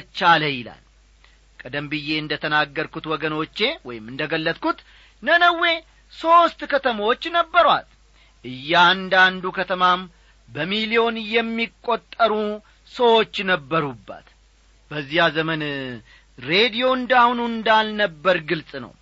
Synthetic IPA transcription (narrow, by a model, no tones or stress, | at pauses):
t͡ʃːaləjɪla̰l | kʼəd̪əmbɨjːe̞ɨnd̪ət̪ʰənaɡːəɾkut̪wɔɡəno̞t͡ʃːe̞wɔjɪmɨnd̪əɡəlːət̪kut̪ | nənəwːe̞ | so̞st̪kʰət̪ʰəmawot͡ʃːnəbːəɾwa̰t̪ | ʔɨjːaand̪and̪ukʰət̪ʰəmam | bəmilio̞njɛmːikʼːo̞t̪ʼːəɾu | səwot͡ʃːnəbːəɾubːa̰t̪ | bəzːijazəmən | ɾe̞d̪ijo̞ɨnd̪ahnuɨnd̪alnəbːəɾɡɨlsʼnə̰w